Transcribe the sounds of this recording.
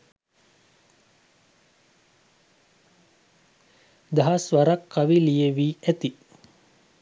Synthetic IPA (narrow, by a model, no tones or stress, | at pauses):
d̪aɦasʋaɾakːaʋilijeʋiːæt̪i